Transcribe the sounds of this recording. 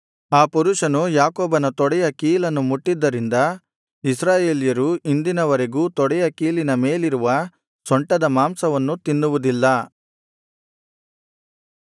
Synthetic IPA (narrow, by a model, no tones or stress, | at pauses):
aːpuɾuʂɐnujaːkoːbɐnɐt̪ɔɽɛjɐkiːlɐnːumuʈːid̪ːɐɾind̪ɐ | is̬ɾaːje̞ːlijɐɾuʔind̪inɐʋɐɾeɡuːt̪ɔɽɛjɐkiːlinɐme̞ːliɾuʋɐ | sɔɳʈɐd̪ɐmaːmsɐʋɐnːut̪inːuʋud̪ilːɐ